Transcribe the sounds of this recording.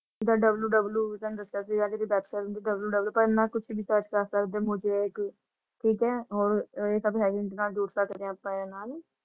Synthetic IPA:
d̪aːɖəbljuːɖəbljuːt̪ə̃nd̪əsəsiːɡaːd̪eːɾiːbɛːpsəɾʊnd̪iːɖəbljuːɖəbluːpəɾɪnːãːkʊt͡ʃʰːbiːsəːt͡ʃkaːst̪aɾd̪eːmʊd͡ʒʱeːeːk | ʈʰiːkɛːɦoːɾeːkəbɦɛːɡɪnd̪enaːld͡ʒuːʈsaːkəd̪ẽəpːãːeːɾeːnaːl

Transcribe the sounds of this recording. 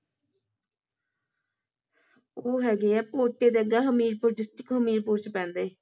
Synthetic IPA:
oːɦɛːɡeːɛːpoːʈ̪eːd̪eəɡaːɦəmiːɾpod͡ʒɪsʈɪkɦəmiːɾpʊːt͡ʃʰpɛ̃ːnd̪eː

